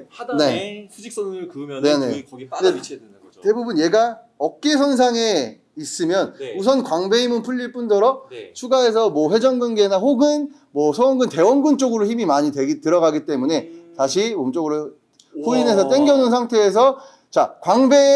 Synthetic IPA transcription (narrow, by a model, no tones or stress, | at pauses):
neuis͈kjne̞ne̞̰ne | te̞bubunje̞ɡa | ʌk̚k͈esʰʌns̬ʰaŋe̞ | is͈ɯmjʌnusʰʌnkwaŋbe̞imɯnpʰuʎːiɭp͈undʌɾʌt͡ɕʰuɡae̞s̬ʰʌmwʌɸwe̞d͡ʑʌŋɡɯnɡe̞naɸoɡɯn | mwʌsʰʌʌŋɡɯnte̞wʌnɡɯnt͡ɕ͈oɡɯɾoçimimaɲitweɡitɯɾʌɣaɡit͈e̞mune̞taɕʰimomt͡ɕ͈oɡɯɾo | hoine̞sʰʌt͈e̞ŋɡjʌnɯns̬ʰaŋtʰe̞ːs̬ʰʌ | t͡ɕakwaŋbe̞